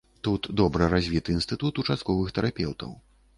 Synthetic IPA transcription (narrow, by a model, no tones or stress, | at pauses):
t̪ut̪d̪ɔbɾɨɾazʲvʲit̪ɨːnst̪ɨt̪ut̪ut͡ʂast̪̚kɔvɨxt̪ɛɾapʲɛwt̪ɐ̰w